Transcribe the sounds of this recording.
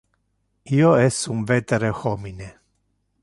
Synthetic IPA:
ioɛsuɱvet̪eɾehomine

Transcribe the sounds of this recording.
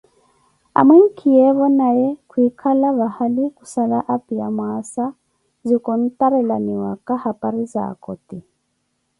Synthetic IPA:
a̰mwɛŋ̩kʰijɛβɔnajɛkʰuikʰalaβahalikusalaʔapiamwasa | zikɔn̩tʼaɾɛlaniwa̰kʼahapʼaɾiza̰kɔtʼi

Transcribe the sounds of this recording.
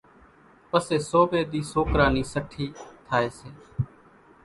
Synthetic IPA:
pəseːsoːbeːd̪iːsoːkɾaːniːsəʈʰːiːt̪ʰaːeːseː

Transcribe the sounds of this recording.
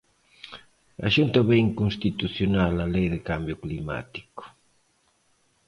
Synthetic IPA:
a̰ʃunt̪aβɛiŋkunst̪it̪uθjonalalɛjðɪkambjʊklima̰t̪i̥kʊ̥

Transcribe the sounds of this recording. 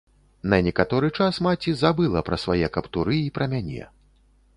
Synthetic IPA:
nɐnʲɛkat̪ɔɾɨt͡ʂasmat͡sʲizabɨlˠɐpɾɐsvajɛkɐpt̪uɾɨipɾɐmʲanʲɛ̰

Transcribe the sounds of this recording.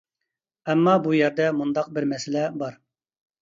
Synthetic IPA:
ɛmːɑbujɛɾd̪ɛmund̪ɑq̚bɪɾmɛsɪlɛbɑɾ

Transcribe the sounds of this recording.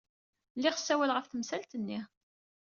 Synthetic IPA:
lːiʁsːæwælʁəfθəmsælt̪ənːi

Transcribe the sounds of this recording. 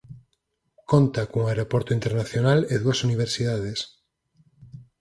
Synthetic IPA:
kont̪akõŋaeɾopoɾt̪oint̪eɾnaθjonaleðuasuniβ̞eɾsiðað̞es

